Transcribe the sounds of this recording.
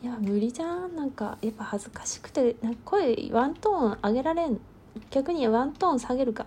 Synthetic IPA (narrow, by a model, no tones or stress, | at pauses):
jamɯ̟ɾʲid͡ʑãnãŋka̰japːahazɨkḁɕi̥kɯ̟̥t̪e̞nãŋkḁkʰo̞eβãnt̪õaɡe̞ɾaɾe̞n | ɡ̥ʲakɯ̟ɲ̟iβãnt̪õːsaɡe̞ɾɯ̟ka